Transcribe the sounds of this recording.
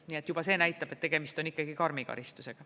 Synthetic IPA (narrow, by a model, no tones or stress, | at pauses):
nie̞t̪jub̥ɑse̞ːnæjt̪ːˑɑb̥e̞t̪ːe̞ɡ̥e̞mist̪o̞nikˑːɑɡikɑrmikɑ̰ɾist̪use̞ɡ̥ɑ